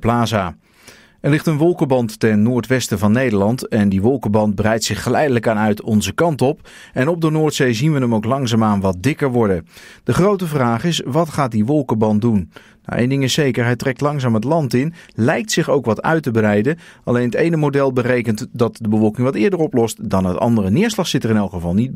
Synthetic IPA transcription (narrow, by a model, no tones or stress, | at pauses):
plaːzaː | ɛɹlɪχtənʋɔlˠkəbɑntːɛnːʊːɹtʋɛstəvɑnːejdəɹlɑntɛndiʋɔlˠkəbɑnt̚bərɛjtsɪχːəlɛjdələkaːnœɥtɔnzəkɑntɔp | ɛnɔb̚dənʊːɹtsejzinʋənəmowklɑŋzaːmaːnʋɑt̚dɪkəɹʋɔɹdəd̥əχrowtəvraːχɪsʋɑtχaːt̚diʋɔlˠkəbɑn̚dun | na̰ʔḛjndɪŋɪsejkəɹɦɛjtrɛk̚tlɑŋzaːmɦətlɑntɪnlɛjk̚tsɪχowkʋɑtœ̰ɥtəbərɛjdəʔɑlejnɦətejnəmowdɛlˠbərejkəntdɑt̚dəbəvɔlˠkɪŋʋɑtɪːɹdərɔplɔstdɑnɦətɑ̰ndərənɪːɹslɑχsɪtərɪnɛlˠkχəvɑlˠnid̚